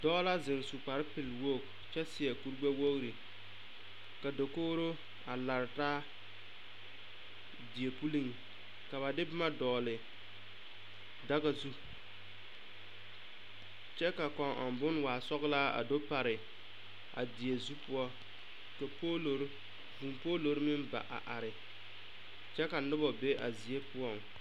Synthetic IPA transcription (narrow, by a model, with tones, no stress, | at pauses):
dɔː˦la˦zɪ˨ŋ˨su˨k͡pa˨ɾɪ˦pɪ˨lwo˦˨k | t͡ʃɛ˦sɪ˨ɛ˨ku˦ɾɡ͡ba˦wo˦kɾi˨ | ka˨do˨koː˦ɾo˦ | a˨la˨ɾɪ˨taː˦ | di˨e˨pu˦li˦ŋ˨ | ka˨βa˨dɪ˦bɪ˦ma˦dɔː˨lɪ˨ | da˦ɣa˨zu˦ | t͡ʃɛ˦ka˨kɔ˨ŋʔɔ̰˨mbʊ˦n˦waː˨sɔ˦ɣlaː˦a̰˨do˦pa˨ɾɪ˨ | ʔa̰˨dɪ˨e˨zu˦pu˦ɔ˦ | ka˨po˦˨ɾ | pu˨mpoː˦lo˨ɾɪ˦mɪ˦nba̰˨ʔa̰˨ʔa˨ɾɪ˨ | t͡ʃɛ˦ka˨nʊ˦bɔ˨be˦ʔa̰˨zi˨e˦pʊ˦ɔ˦˨ŋ